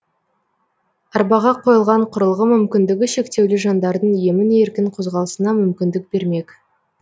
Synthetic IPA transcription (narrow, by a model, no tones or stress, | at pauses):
ɑɾbɑʁɑqʰo̞jəlˠʁɑɴqʰʊɾəlˠʁəmʏmkʲɪnd̪ɪɡʲɪʃe̞kt̪e̞wlɪʒɑnd̪ɑɾd̪əɴje̞mɪne̞ɾkʲɪŋqʰo̞zʁɑlˠəsənɑmʏmkʲɪnd̪ɪk̚be̞ɾme̞kʲ